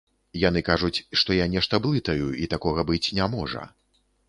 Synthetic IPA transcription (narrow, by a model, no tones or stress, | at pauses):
jan̪ɨkaʐut͡sʲʂt̪ɔjanʲɛʂt̪ɐblˠɨt̪ɐjuit̪akɔɣɐbɨt͡sʲnʲamɔʐɐ̰